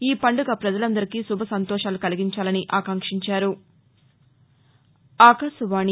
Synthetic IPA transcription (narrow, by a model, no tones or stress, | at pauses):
iːpɐɳɖuɡɐpɾɐd͡ʒɐlɐnd̪ɐɾikisubʱɐsɐnt̪ɔːʃaːlukɐliɡiɲt͡ʃaːlɐniʔaːkɐŋkʂiɲt͡ʃaːɾu | aːkɐsuʋaːni